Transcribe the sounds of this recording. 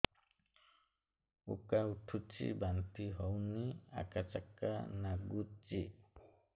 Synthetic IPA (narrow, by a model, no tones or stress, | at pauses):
ṵkauʈʰut͡ʃḭbant̪iɦɔwnia̰kat͡ʃaka̰naɡut͡ʃi